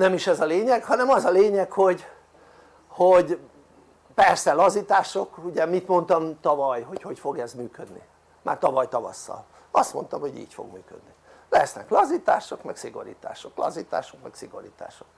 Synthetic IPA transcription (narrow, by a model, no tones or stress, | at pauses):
nɛmiʃɛzɒleːɲɛkhɒnɛmɒzɒleːɲɛkho̞ɟ | hoɟ | pɛrsɛlɒzit̪aːʃo̞kuɟɛmit̪mo̞nt̪ɒmt̪ɒvɒjɦocho̞cfo̞ɡɛzmyːkød̪nḭ | ma̰ːrt̪ɒvɒjt̪ɒvɒ̰sːɒ̰l | ɒst̪mo̞nt̪ɒmhoɟḭːcfo̰ɡmy̰ːkø̰d̪̚ni | lɛsnɛklɒzit̪a̰ːʃo̞kmɛksiɡo̞̰ɾḭːt̪a̰ːʃoklɒ̰zit̪a̰ːʃokmɛksiɡoɾḭt̪a̰ːʃo̥k